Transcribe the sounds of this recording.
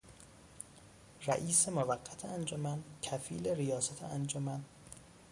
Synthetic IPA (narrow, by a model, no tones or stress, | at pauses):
ræ̰ʔiːsemovæɡːæt̪ʰeænd͡ʒomæncʰæfiːleɾijɒːsæt̪ʰḛʔænd͡ʒomæn